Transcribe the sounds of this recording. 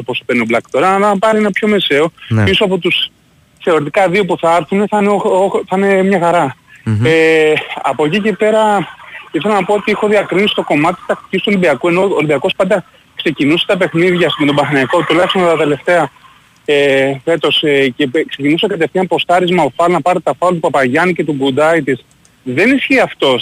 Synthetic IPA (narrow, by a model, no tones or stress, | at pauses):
opospenioblɐkt̪oɾɐnnnɐpɐɾienɐpço̞me̞se̞o̞isoɐpo̞t̪us | kse̞o̞ɾit̪̬ikɐðio̞puθɐɐɾθuneθɐneooθɐnemɲɐxɐɾɐeɐ̰po̞cice̞pe̞ɾɐifθelɐnɐpo̞ot̪iexo̞ðiɐkɾinsi̥st̪o̞ko̞mɐt̪it̪t̪ɐk̚t̪i̥cist̪uo̞limbiɐkue̞no̞oːlibiɐko̞spɐnd̪ɐ | kse̞cinuse̞̥t̪ɐpe̞xniðʝɐsmet̪obɐθɐnɐko̞t̪ulɐçst̪ont̪ɐt̪e̞le̞ft̪e̞ɐ | efe̞t̪o̞scekse̞cinusekɐt̪e̞fθiɐpo̞st̪ɐɾizmɐofɐlnɐpɐɾet̪ɐfɐlt̪upɐpɐʝɐnice̞t̪uɡud̪ɐit̪is | ðe̞nisçiɐft̪o̞s